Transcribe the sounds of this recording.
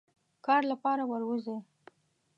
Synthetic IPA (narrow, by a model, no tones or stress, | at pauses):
kɑɾlapɑɾawəɾwəze